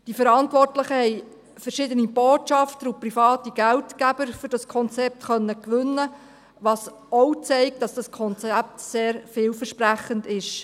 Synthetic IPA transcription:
d̥ifəɾɑntʋɔrtləχəhɛɪ | fəɾʃɪdənib̥oːtt͡ʃɑftəɾuprifɑːtiɡ̥æltkæb̥əɾfʏɾd̥ɑskʰɔnt͡sɛp̚tχœnːəkʋʏnːə | ʋɑs | ɔʊt͡sɛɪk̚t̚d̥ɑsd̥ɑskʰɔnt͡sæp̚tseːɾfɪːlfəɾʃpræχəndɪʃ

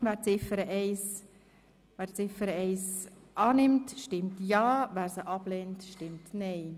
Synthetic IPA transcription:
væːɾt͡sɪfəɾəʔɛɪs | vɛːɾt͡sɪfəɾəɛɪsʔɑːnɪmtʃtɪmtjɑːvæːɾsəʔɑblɛːntʃtɪmtnɛɪ

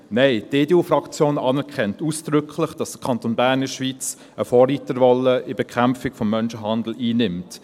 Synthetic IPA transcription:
nɛɪteːdeuːfrɑkt͡sjoːnɑnɛɾkχɛntuːsd̥ɾʏkʰlɪχd̥ɑsd̥əkʰɑntoːnbæːɾnəʃʋiːt͡s | əfoːɾiːtəɾvɔləɪbekʰχæmfɪkfɔmːœnʃəɦɑnd̪l̩iːnɪmt

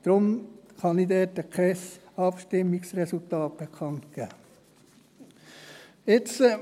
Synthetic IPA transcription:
d̪̥ɾʊmχɑnid̪ɛːtəkʰɛsɑpʃtɪmːiksrɛsult̪ɑːt̚b̥ekʰɑnt̪kæː | ɪt͡sə

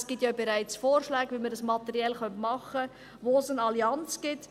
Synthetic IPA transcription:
sɡ̥ɪtjɑbeɾaɪt͡sfoːrʃlɛːɡʋiməɾdəsmɑt̪ɛɾiɛlχœntmɑχə | ʋoːsənɑliɑnt͡sɡ̥ɪt

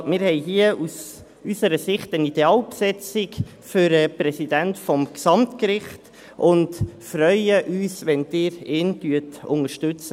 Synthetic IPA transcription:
mɪːɾhɛɪɦiəus | ysəɾəsɪχtənid̥eɑːlpsɛt͡sɪk | fʏɾəpɾɛsidæntfɔmksɑmtkɾɪχt | ʔʊndfɾœʏəʔyːsʋɛnd̥ɪːɾɪːntyətʊ̰ŋəʃtʏt͡sə

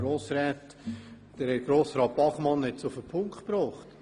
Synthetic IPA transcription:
ɾoːsɾɛːt | d̥əɾhɛtɡ̥ɾoːsɾɑːt̚b̥ɑχmɑnɛt͡sʊfəpʰʊŋkχpɾɔːχt

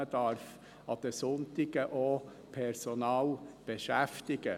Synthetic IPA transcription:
ədɑɾf | ɑd̪̥əsʊntɪɡəʔo | pʰɛɾsɔnɑːlb̥eʃæft̪ɪɡ̥ə

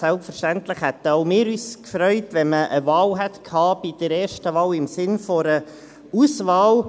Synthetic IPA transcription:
sɛlpfəɾʃtænt̪lɪχhɛt̪əɔʊmɪːɾyːskfɾœʏtʋɛnməʔəvɑːlɦɛt̪kʰhɑːb̥id̥̪əɾɛːɾʃtəʋɑːlɪmsɪnfɔɾə | usʋɑːw

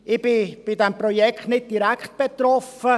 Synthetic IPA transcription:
ʔɪbɪb̥ɪdɛmprojɛkχtnɪt̚diɾækχt̚b̥et̪ɾɔfə

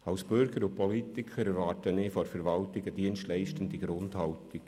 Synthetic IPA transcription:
ɑwsb̥ʏɾɡəɾʊpʰɔlitɪkʰəɾɛɾʋɑːrtənɪːfɔɾfɛɾʋɑltɪɡədiənstlɛɪʃtən̩diɡɾʊndhɑltiɡ̥

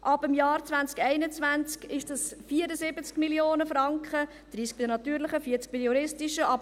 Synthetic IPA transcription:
ʔɑbəmjɑːɾt͡svænt͡skɛɪnət͡svænt͡skɪʃdɑsfiːəɾəzɪbət͡skmiljoːnəfɾɑŋkχə | d̥ɾiːsk̚bɪd̪ənɑt̪yːɾləχəfiəɾt͡sk̚b̥ɪjuɾɪstɪʃəʔɑb

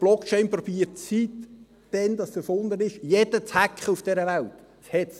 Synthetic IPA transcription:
b̥lɔkt͡ʃɛɪnpɾɔbiːətt͡sit̪ | d̥ɛnd̥̪ɑssəfʊnd̪ənɪʃjed̥ət͡shækχəufd̥ɛɾəvælt̪ | shɛtt͡s

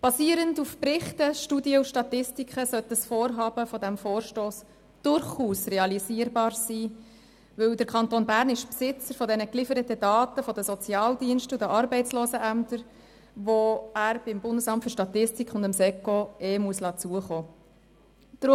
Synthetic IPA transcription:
b̥ɑsiəɾəndufpɾɪχtəʃtudiəuʃtɑtɪstikχəsœtəsfoːɾɦɑːb̥əfɔd̪æmfoːɾʃtoːs | d̥ʊɾχuːsrɛɑliziəɾbɑːɾsiː | ʋɵwdəɾkʰɑntonbæːɾnɪʃpsɪt͡səɾfɔdɛnəklɪfəɾətədɑːtəfɔdəsɔt͡sjɑːldiənʃtʊd̪əʔɑɾbɛɪt͡sloːsəʔæmtəɾ | ʋoæːɾb̥ɪmbʊndəsɑmtfʏɾʃtɑt̪ɪstikχʊndəmsɛkoeːmuəslɑːt͡suəχoː | d̥ɾʊ

